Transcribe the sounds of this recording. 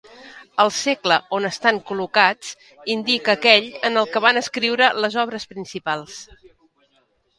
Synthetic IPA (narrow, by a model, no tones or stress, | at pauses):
əlˠsekləonəst̪aŋkulukat͡s | ind̪ikəkɛʎənəlˠkəβanəskɾiwɾələzɔβ̞ɾəspɾinsipalˠs